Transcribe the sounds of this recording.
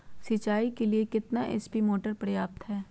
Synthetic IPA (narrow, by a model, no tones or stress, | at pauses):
sit͡ʃaːikeliekɪt̪naʔɛ̰spimoːʈəɾpɾɐjaːp̚t̪ɦɛː